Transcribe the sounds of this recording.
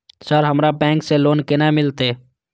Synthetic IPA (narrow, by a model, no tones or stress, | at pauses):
səɾɦɐmɾapɛ̃ːŋkseloːnkenamɪlt̪eː